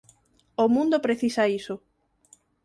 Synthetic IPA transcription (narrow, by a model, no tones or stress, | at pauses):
omũnd̪opɾeθisaiso